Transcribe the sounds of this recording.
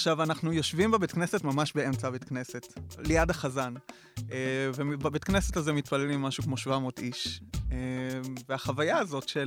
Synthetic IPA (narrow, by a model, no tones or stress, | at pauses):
aχʃavanaχnujo̞ʃvimbebet̪kne̞setmamaʃbeemt͡sabetkne̞se̞tlejadaχazan | evebabet̪knesetazemitpalelimːaʃukmo̞ʃvamo̞tiʃeveaχavajaːzo̞tʃe